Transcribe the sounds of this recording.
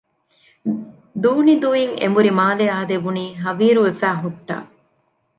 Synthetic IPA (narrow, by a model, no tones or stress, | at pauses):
d̪uːnid̪ujiŋḛmbuɾimaːleɐɐd̪ebuniːɦɐʋiːɾuʋefæːɦuʈːa̰ː